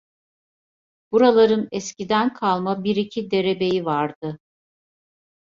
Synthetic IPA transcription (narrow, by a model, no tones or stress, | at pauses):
b̥uɾalˠaɾɯnɛscid̪ænkʰalˠmabiɾicʰid̪e̞ɾe̞be̞jivaɾd̪̥ɯ